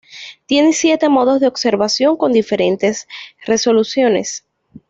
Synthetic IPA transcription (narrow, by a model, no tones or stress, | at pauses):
t̪je̞nesje̞t̪e̞mo̞ðozðeo̞ɡse̞ɾβasjo̞ŋko̞nd̪ife̞ɾe̞nt̪e̞sre̞so̞lusjo̞ne̞̰s